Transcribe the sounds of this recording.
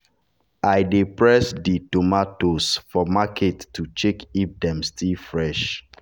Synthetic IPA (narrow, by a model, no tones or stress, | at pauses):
ʔaɪdipɹɛsditomatosfɔmakʰetːut͡ʃekip̚dɛ̃mstʰilfɹɛʃ